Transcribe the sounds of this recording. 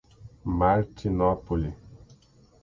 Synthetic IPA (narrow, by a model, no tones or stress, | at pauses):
maɾtinɔpuli